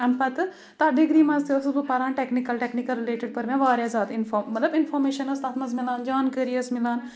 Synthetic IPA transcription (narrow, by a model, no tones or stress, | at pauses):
ɐmpɐt̪ | t̪ɐɖ̪ɪɡɾiːmɐ̃nst̪eɐsubupɐɾãːɳʈeknikɐlʈeknikɐlɾɪleːʈɪɖ̚pɐɾmẽʋaːɾjaːzaːt̪ɪnfoːmːɐt̪lɐbɪnfʰoːɾmeːʃɐnɐst̪aːt̪mɐzmɪlaːnd͡ʒaːnkəɾijɐsmɪlaːn